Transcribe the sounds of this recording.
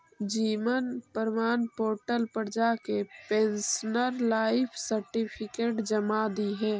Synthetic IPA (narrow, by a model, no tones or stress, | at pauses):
d͡ʒiːʋənpəɾmaːnpoːɾʈəlpəɾd͡ʒakepensnəɾlaːɪpʰsəɾʈipʰikeːʈd͡ʒəmad̪iɦɛː